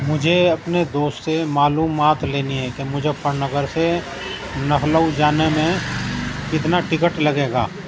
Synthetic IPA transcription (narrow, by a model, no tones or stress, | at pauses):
mʊd͡ʒʱeɐpned̪oːst̪semaːluːmaːt̪leːniɦɛ̃kemʊd͡ʒʱepəɾnəɡəɾse | nɐkʰləud͡ʒaːnemẽ | kɪt̪naʈɪkəʈlɐɡeːɡa̰ː